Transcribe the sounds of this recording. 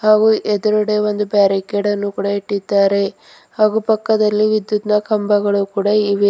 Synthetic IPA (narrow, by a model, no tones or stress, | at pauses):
haːɡuʔɛd̪ɐɾuɽeʋo̞nd̪ubaːɾikeɽɐnːukuːɽɐiʈːid̪ːaːɾe̞ | haːɡupɐkːɐd̪ɐlːiʋid̪jut̪nɐkɐmbɐɡɐɭukuːɽɐiʋi